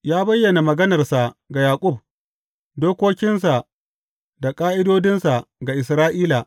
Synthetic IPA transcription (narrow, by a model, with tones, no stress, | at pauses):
jaː˦bɐ˦jːɐ˨na˨mɐ˨ɡɐ˦nɐ˨rsa˨ɡa˨jaː˨kʷʼʊ˦˨b̚ | doː˦kʷoː˦kʲɪ˦nsa˨ | da˨kʼaː˦ʔɪ˦doː˦dɪ˦nsa˨ɡa˨ʔɪ˨s̬ɾaː˦ʔiː˦la˨